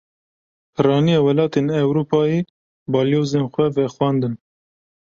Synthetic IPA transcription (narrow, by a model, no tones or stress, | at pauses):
pʰɨrɑːnijɑːwɛlɑːt̪eːnɛwɾuːpʰɑːje | bɑːljoːzenxʷɛvɛxwɑnd̪ɨn